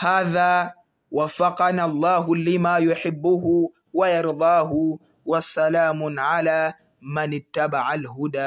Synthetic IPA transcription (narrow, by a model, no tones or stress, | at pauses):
haːðaː | wafːɑqɑnalˤːɑːɦʊlɪmaːjʊħɪbːʊɦʊ | wajɑɾd̪ˤɑːɦʊ | wasalaːmʊnʕalaː | manɪt̪ːabaʕalɦʊd̪aː